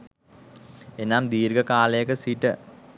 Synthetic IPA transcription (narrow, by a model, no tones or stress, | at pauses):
enːaːmd̪iːɾɡɐkaːlejɐkːɨsiʈːɨ